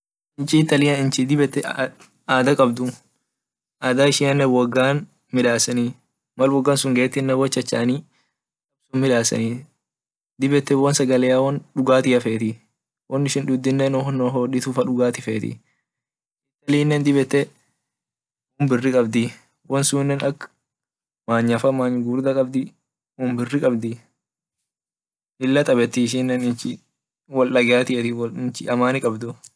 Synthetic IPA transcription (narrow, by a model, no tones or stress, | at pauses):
ɪnt͡ʃɪt̪ːɐlɪjɐɪnt͡ʃɪd̪ɪbɛt̪ːɛ | aːd̪ɐkʼɐbd̪ʊ | ʔaːd̪aːɪʃɪɐnːɛwɐɡːaːn | mɪᶑaːsɐni | mɐlwɔɡːaːnsʊŋɡeːt̪ːɪnːɛwɔt͡ʃːɐt͡ʃːa̰ːni | kʼɐb̥sʊnmɪᶑaːsɐ̰ni | d̪ɪbɛt̪ːɛwɔnsɐɡɐlɛjaːwɐnᶑʊɡaːt̪ɪɐfeːt̪ɪ | wʔɐnːɪʃɪnᶑ̪ʊd̪ːɪnːɛnɔhɔnːɔɦɔːᶑɪt̪ʊfɐᶑʊɡaːt̪ɪfeːt̪ɪ̰ | ɪt̪ːɐliːnːɛnd̪ɪbɛt̪ːɛ | ʊmbɪrːɪkʼɐbd̪ɪ | wɔnsuːnːɛnɐkː | maːɲɐfɐmaːɲːɡuːɾd̪ɐkʼɐbd̪ɪ | ʊmbɪrːɪkʼɐbd̪ɪ | ɪlːɐt̪ʼɐbɛt̪ːɪɪʃ̬ɪnːɛnɪɪ | wɐlʔɐɡaːt̪ɪɛt̪ɪɪnt͡ʃɪʔɐmaːnɪkʼɐbd̪ʊ